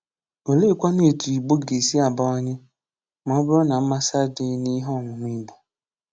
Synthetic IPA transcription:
o˨le˦˨kʷa˦ne˦˨tu˨i˨ɡ͡bo˦ɡe˨si˦a˨ba˦ɔ˦ɲɪ˦ | mɔ˦bʊ˦ɾɔ˦na˨m̩˦ma˦sa˦dɪ˦ni˦ɦɔ˦˨ŋʷʊ˨ŋʷi˦ɡ͡bo˨

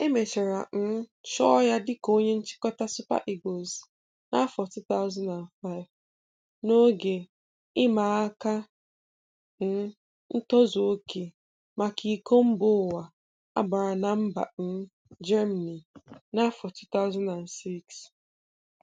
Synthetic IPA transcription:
e˦me˨t͡ʃe˨ɾa˨n̩˦t͡ʃɔ˦ja˦dɪ˦ko˦ɲe˦n̩˦t͡ʃɪ̥˦kɔ˦ta˦sʊ˦pa̰˦ʔi˨ɡo˨z | na˦fɔ˨ti˦ta˦ʊ˦za˦nda˨n˨fa˦ɪ˨˦v | no˦ɡe˨ | ɪ˦ma˨a˦ka˦ | n̩˦ | n̩˦tɔ˦zo˨o˦ke˨ | ma˨kʰi˨ko˦m̩˦bʊ˦˨wa˨ | a̰˦ba˨ɾa˨na˨m̩˦ba̰˨n̩˦ | d͡ʒɛ˦ma˨ni˨na˦fɔ˨tu˦t̪a˦ʊ˦za˦nda˨n˨si˦ks

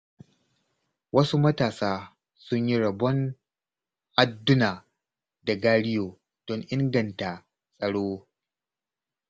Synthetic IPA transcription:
wɐ˦su˦mɐ˦taː˨saː˦ | sʊ˦ɲji˦ɽɐ˨bɔ˦ŋ | ʔa˨dːʊ˦naː˨ | da˨ɡaː˦ɽɪ˦joː˨ | d̥ɔ˦ɲʔɪ˦ŋɡɐ˨nta˨ | sʼɐ˨ɽoː˦

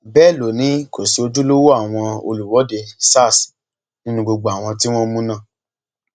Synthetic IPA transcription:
bɛ˦˨lo˨nĩ˨˦ko˨si˨˦o˧d͡ʒu˦lo˦wo˦a˦˨w̃ɔ̃˧o̰˧lu˨wɔ˨˦de˧sa˦˨s | nĩ˦nũ˧ɡ͡bo˧ɡ͡bo˨a˨w̃ɔ̃˧ti˦w̃ɔ̃˦mũ˦nã˦˨

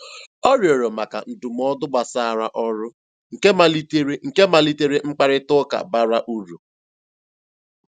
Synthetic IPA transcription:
ɔ˦ɾjo˨ɾo˨ma˨ka̰˨n̩˨du˨m̩˦ɔ˦dʊ˦ɡ͡ba˨sa˦a˦˨ɾa˦ʔɔ˦ɾʊ˦ | ŋ̩˨ke˦ma˨li˦te˦ɾe˦ŋ̩˨ke˦ma˨li˦te˦ɾe˦ŋ͡m̩˦k͡pa˦ɾɪ˦tʊ˦ka̰˨ba˦ɾa˦ʔu˦ɾu˨

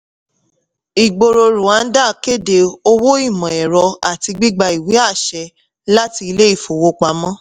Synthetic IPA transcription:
i˨ɡ͡bo˧ɾo˧ɾũ˨a˨˦n̩˦da˦˨ke˦de˧o˦˧wo˦i˦˨mɔ̃˨ɛ˨ɾɔ˧a˨ti˧ɡ͡bi˦ɡ͡ba˧i˨wi˨˦a˦˨ʃɛ˧ | la˦ti˧i˧le˦i˦˨fo˨wo˧k͡pa˨˦mɔ̃˦

